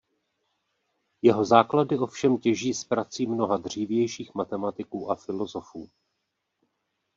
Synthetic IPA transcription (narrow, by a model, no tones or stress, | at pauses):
jɛɦo̞zaːkladɪʔo̞fʃɛmcɛʒiːspɾat͡siːmno̞ɦadr̝̥iːvjɛjʃiːxmat̪ɛmat̪ɪkuːʔafɪlo̞zo̞fuː